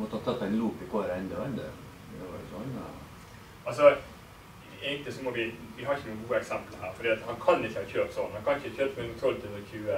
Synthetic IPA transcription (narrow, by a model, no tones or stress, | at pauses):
mɔt̪ːəhɑt̪ʰːɑt̪ːæɪnluːpɪkoːɾɛnd̪əɛnd̪ə̰ | d̪ɛʋɑ̰ɾʊ̰sɔn | ɑls̬ɔ | ɛɪt̪əsɔmɔʋɪʋɪɦɑɾɪçənuːənɡuːəɛksɛmpəl̩hæːɾfɔɾdiːɑt̪hɑnkʰɑnɪçəhɑçøːpsɔnhɑnkʰɑnɪçəçøːpəmɛt̪ʰɔlt̪ʰʉnəɾçʰʉːə